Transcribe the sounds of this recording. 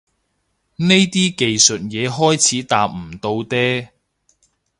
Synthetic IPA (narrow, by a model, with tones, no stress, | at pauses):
ne˥jt̪iː˥ke˨jsɵ˨t̚jɛː˨˧ɦɔː˥jt͡sʰiː˨˥t̪a̰ː˨p̚m̩˨˩t̪o˧wt̪ɛː˥